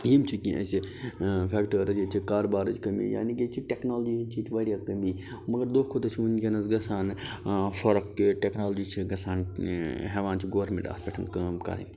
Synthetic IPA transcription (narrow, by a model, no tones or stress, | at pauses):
jimt͡ʃʰikiʔə̰sipʰekʈəɾəd͡ʒet͡ʃʰikaːɾbaːɾɐd͡ʒkɐmḭja̰ːniket͡ʃʰiʈeknoːld͡ʒiimt͡ʃʰit̪ʰiʋɐɽjakɐmi | mɐɡɐɾd̪oːkʰot̪ɐt͡ʃʰiunkʲenɐsɡɐsaːnfɐɾɐkːʈeknoːlod͡ʒit͡ʃʰiɡɐsaːnɦeʋaːnt͡ʃʰiɡoːʋəɾmḛ̃ɳʈa̰ːsbeʈʰɐnkɐmka̰ɾɐ̰m